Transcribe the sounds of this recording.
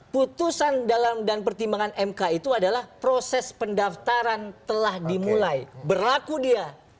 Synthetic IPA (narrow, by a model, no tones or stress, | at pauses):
put̪usandalamdanpərt̪imbaŋanɛmkait̪uadalahpɾosɛspəndaft̪aɾant̪əlahdimulajbərlakudia